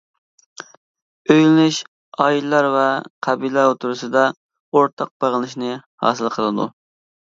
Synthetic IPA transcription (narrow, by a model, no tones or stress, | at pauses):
øjlɪnɪʃ | ɑjilːɑɾvɛqʰɑbilæot̪ʰuɾusɨd̪ɑ | oɾt̪ʰɑq̚b̥eʁəlˠɨʃnɨhɑ̰ːsɨlˠqʰəlˠɨd̪ṵ